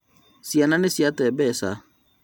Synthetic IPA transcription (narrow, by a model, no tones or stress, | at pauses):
siananisijat̪ɛbɛsa̰